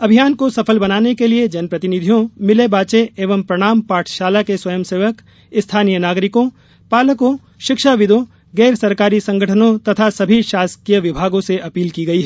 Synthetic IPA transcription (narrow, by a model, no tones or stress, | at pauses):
ɐbʱijaːnkosɐpʰəlbɐnaːnekelied͡ʒɐnpɾɐt̪ɪnɪd̪ʱijõmɪlebaːt͡ʃeeːʋəmpɾɐɽ̃aːmpaːʈʰʃaːlakeswɐjəmseːʋək | ɪst̪ʰaːnijənaːɡɾɪkõ | paːləkõ | ʃɪkʃaʋɪd̪õ | ɡɛːɾsɐɾkaːɾisɐ̃ŋɡʱəʈʰənõt̪ɐt̪ʰasɐbʱiʃaːskijəʋɪbʱaːɡõseʔɐpiːlkiɡɐiɦɛː